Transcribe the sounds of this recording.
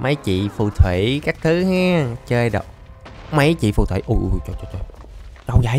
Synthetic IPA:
mə˨˦jt͡ɕḭ˧˨fu˧˩t̪ʰwḭ˧˩˦kaː˦˥k̚t̪ʰɨ˨˦hɛ˨˦˥t͡ɕəː˧jɗə̰˧˨w | mə˨˦jt͡ɕḭ˧˨fu˧˩t̪ʰwḭ˧˩˦ʔu˧˩ʔu˧˩jt͡ɕo˧˩jt͡ɕo˧˩t͡ɕo˧˩jt͡ɕə˨˧˩wza˨˦

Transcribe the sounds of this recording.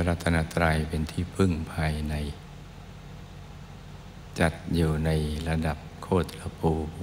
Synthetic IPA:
a˧la˧t̪ʰːa˧na˧˥t̪ɾaː˧jpe˨˧nt̪ʰiː˧˥˩pʰɯ˧˥˩ŋpʰaː˧jna˧j | t͡ɕa˧˩t̪̚juː˨˩na˧jla˧da˨˩p̚kʰoː˥˩t̪̚la˧pʰuː˧

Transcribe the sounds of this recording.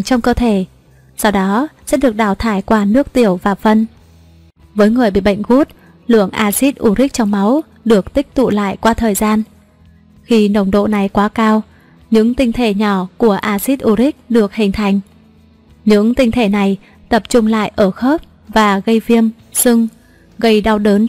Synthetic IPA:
t͡ɕɔ˧wŋ͡mkəː˧t̪ʰe˧˩ | sa˧wɗɔ˨˦sɛ̰˧˥ɗɨ˨˩ək̚ɗaː˧˩wt̪ʰaː˧˩jkwaː˧nɨ˦˥ək̚t̪i˧˩əwvaː˨˩fə˧n | vəː˨˦jŋɨ˨˩əjɓḭ˧˨ɓə̰˧˨ŋ̟ɣu˦˥t̚ | lɨ̰˧˨əŋʔaː˧si˦˥t̚ʔu˧˩ɾi˦˥k̚t͡ɕɔ˧wŋ͡mma˨˦w | ɗɨ˨˩ək̚t̪ï˦˥k̟̚t̪ṵ˧˨la̰ː˧˨jkwaː˧t̪ʰəː˨˩jzaː˧n | xi˧nə˧˨˩wŋ͡mɗo̰˧˨na˨˩jkwaː˨˦kaː˧w | ɲɨ̰˧˥ŋt̪ï˧ŋ̟t̪ʰe˧˩ɲɔ˧˩ku˧˩əʔaː˧zi˦˥t̚ʔu˧˩ɾi˦˥k̟̚ɗɨ˨˩ək̚hï˨˩ŋ̟t̪ʰa˨˩jŋ̟ | ɲɨ̰˧˥ŋt̪ï˧ŋ̟t̪ʰe˧˩na˨˩j | t̪ə˨˩p̚t͡ɕʊ˧ŋ͡mla̰ː˧˨jʔəː˧˩xə˦˥p̚ | vaː˨˩ɣə˧jvi˧əm | sɨ˧ŋ | ɣə˧jɗa˧wɗəː˨˦n

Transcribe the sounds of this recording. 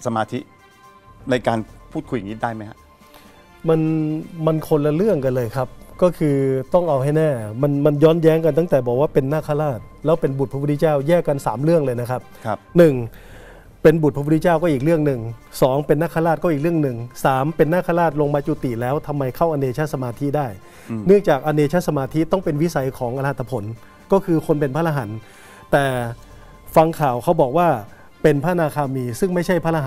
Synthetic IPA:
sa˧maː˧t̪ʰi˦˥ | na˧jkaː˧npʰuː˥˩t̪̚kʰu˧ja˨ŋiː˦˥daː˥˩jma˦˥jha̰˦˧˥ʔ | ma˧nma˧nkʰo˧nla˧lɯ˥˩əŋka˧nlɤː˧jkʰa˦˥p̚kɔː˥˩kʰɯː˧t̪ɔ˥˩ŋʔa˧wɦa˥˩jnɛː˥˩ma˧nma˧njɔː˦˥njɛː˦˥ŋka˧nt̪a˥˩ŋt̪ɛː˨˩bɔː˨˩k̚waː˥˩pe˧nːaː˥˩kʰa˧˥˩laː˥˩t̪̚lɛː˦˥wpe˧nbu˨˩pʰa˦˥˩i˥t͡ɕaː˥˩wjɛː˥˩ka˧nsaː˩˦mlɯ˥˩əŋlɤː˧jna˦˥kʰa˦˥p̚ʰnɯ˨˩ŋ | pe˧nbu˨˩p̪ːʰi˥t͡ɕaː˥˩wkɔː˥˩˨iː˨˩k̚ɾɯ˥˩əŋnɯ˨˩ŋsɔː˩˦ŋpe˧nːaː˥˩kʰa˧laː˥˩t̪̚kɔ˥˨iː˨˩k̚ɾɯ˥˩əŋnɯ˨˩ŋsaː˩˦mpe˧nːaː˥˩kʰaː˧˩laː˥˩t̪̚lo˧ŋmaː˧t͡ɕu˨˩t̪i˨˩lɛː˦˥wt̪ʰa˧mːa˧jkʰa˥˩wʔa˧neː˧t͡ɕʰa˦˥sa˧maː˧t̪ʰi˦˥daː˥˩j | nɯ˥˩əŋt͡ɕaː˨˩k̚ʔa˧neː˧t͡ɕʰa˦˥sa˧maː˧t̪ʰi˦˥t̪ɔ˥˩ŋpe˧nwi˦˥sa˨˧jkʰɔː˩˦ŋʔa˧laː˦˥˩t̪ʰːa˧pʰo˩˦n | kɔː˥˩kʰɯː˧kʰo˧npe˧npʰaː˥˩a˧ɦa˩˦n | t̪ɛː˨˩ | fa˧ŋkʰaː˨˩wkʰa˦˥wbɔː˨˩k̚waː˥˩ | pe˧npʰa˥˩˧naː˧kʰaː˧miː˧sɯ˥˩ŋma˥˩jt͡ɕʰa˥˩jpʰaː˥˩a˧ɦ

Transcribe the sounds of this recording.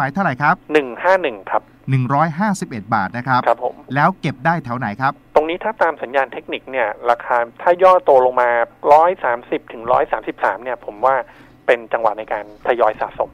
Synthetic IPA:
maː˩˦jt̪ʰa˥˩wɾa˨˩jkʰɾa˦˥p̚nɯ˨˩ŋhaː˥˩nɯ˨˩ŋkʰa˦˥p̚nɯ˨˩ŋɾɔː˦˥jɦaː˥˩si˨˩p̚ʔe˨˩t̪̚baː˨˩t̪̚na˦˥kʰɾa˦˥pkʰa˦˥pʰːo̰˩˦mlɛː˦˥wke˨˩p̚daː˥˩jt̪ʰa˦˥wna˩˦jkʰɾa˦˥p̚t̪o˧ŋniː˦˥t̪ʰaː˥˩t̪aː˧msa˩˦njaː˧nt̪ʰe˦˥k̚ni˨˩k̚ni˥˩ɐɾaː˧kʰaː˧t̪ʰaː˥˩jɔː˥˩t̪u˧ɐlo˧ŋmaː˧ɾɔː˦˥jsaː˩˦msi˨˩p̚t̪ʰɯ˩˦ŋɾɔ̰ː˦˥jsaː˩˦msi˨˩p̚sa̰ː˩˦mni˥˩ɐpʰo˩˦mwaː˥˩ | pe˧nt͡ɕa˧ŋwa˨˩na˧jkaː˧nt̪ʰa˧jɔː˧jsa̰ː˨˩t̪̚so̰˨˩˦m

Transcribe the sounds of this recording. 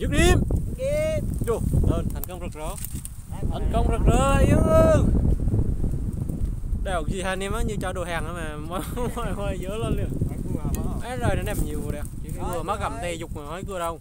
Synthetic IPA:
zɨ˦˥k̚ɗi˧m | zu˧˩ɗəː˧˩nt̪ʰa˨˩jŋ̟kə˧wŋ͡mzə˨˩k̚zɔ˨˦˨ | t̪ʰa˨˩jŋkə˧wŋ͡mzə˨˩k̚zəː˧˩i˨˦kə˧ | ɗa˧˩hk̚zi˨˩haː˧˩nɛ˧maː˨˦ɲɨ˧t͡ɕɔ˧ɗo˨˩haː˨˩ŋʔaː˨˧˦maː˨˩mɔ˨˦mɔ˧˩jhwa˧˩jzəː˨˦ləː˧nli˧˩ək̚ʔaː˨˦˥zəː˨˩na˨˦nɛ˧˩mɲi˨˩əwɗɛ˨˩t͡ɕi˧˩˧kɨ˧˩əma˨˦˥ka˨˧˩mt̪ɛ˧zʊ˨˩k͡p̚maː˨˩hɔ˨˦jkɨ˧əɗə˧w

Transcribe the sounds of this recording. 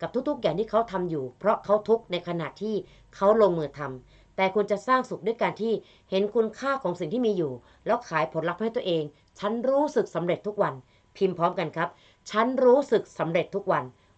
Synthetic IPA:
ka˨˩t̪ʰu˦˥k̚t̪ʰu˥k̚jaː˨˩nt̪iː˥˩kʰa˦˥wt̪ʰa˧mjuː˨˩pʰɾɔ˦˥ʔkʰa˦˥wt̪ʰu˦˥k̚na˧jkʰa˧na̰˨˩ʔt̪ʰːiː˥˩ | kʰa˦˥wlo˧ŋmɯː˧t̪ʰa˧m | t̪ɛː˨˩kʰu˧nt͡ɕa˨˩ʔsaː˥˩ŋsu˨˩du˥˩jkaː˧nt̪ʰiː˥˩ | he˩˦nkʰu˧nkʰaː˥˩kʰɔː˩˦ŋsi˨˩ŋt̪ʰiː˥˩miː˧juː˨˩ | lɛː˦˥wkʰaː˩˦jpʰo˩˦nla˦˥k̚a˧˥˩t̪ːʔeː˧ŋ | t͡ɕʰa˦˥nɾuː˦˥sɯ˨˩k̚sa˩˦mɾe˨˩t̪ʰːu˦˥k̚wa˧n | pʰi˧mpʰɔː˦˥mka˧nkʰa˦˥p̚ | t͡ɕʰa˦˥nɾuː˦˥sɯ˨˩k̚sa˩˦mɾe˨˩t̪ʰːu˦˥k̚wa˧n

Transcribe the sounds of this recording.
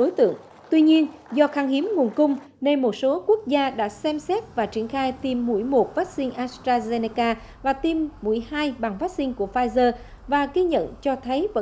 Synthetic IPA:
ɗo˨˦jt̪ɨ̰˧˨əŋ | t̪wi˧ɲi˧ənzɔ˧xaː˧ŋhi˨˦əmŋu˨˩ənkʊ˧wŋ͡m | ne˧jmo˨˩t̚so˨˦ku˦˥ək̚zaː˧ɗa̰ː˧˥sɛ˧msɛ˦˥t̚vaː˨˩t͡ɕi˧˩ənxaː˧jt̪i˧mːṵ˧˩jmo˨˩t̚faː˦˥t̚sï˧ŋ̟ʔaː˨˧st̪ɾaː˧ze˧ni˧kaː˧ | vaː˨˩t̪i˧mːu˧˩əjhaː˧jɓa˨˩ŋfaː˦˥t̚sï˧ŋ̟ku˧˩əfaː˧jzəː˧ | vaː˨˩ɣi˧ɲə̰˧˨nt͡ɕɔ˧t̪ʰə˨˦jvə̰˧˥

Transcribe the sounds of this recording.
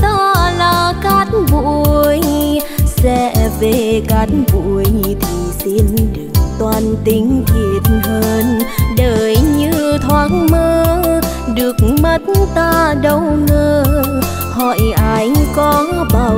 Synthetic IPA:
t̪aː˧laː˨˩ka˦˥k̚vṵ˧˨˧əəjsɛ̰˧˥˨ve˨˩ka˨˦˥k̚vṵ˧˨əjt̪ʰi˨˩si˧nɗɨ˨˩ək̚t̪waː˨˩nt̪i˨˧˦ŋt̪ʰi˨˧˩ət̚ɦəː˧nɗəː˨˩˨jɲɨ˧t̪ʰwaː˨˦ŋməː˧ | ɗɨ˨˩ək̚mə˨˦t̚nt̪aː˧ɗə˧˩wŋəː˧ | h̪ʰɔ̰˧˨jʔa˧˦jkɔ˨˧˦ɓaː˧˩

